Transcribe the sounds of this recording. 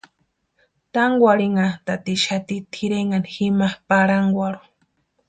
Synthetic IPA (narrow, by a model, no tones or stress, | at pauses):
t̪aŋɡʷwaɾiŋat̪at̪iʃat̪it̪ʰiɾeŋanximapaɾaŋɡʷaɾu̥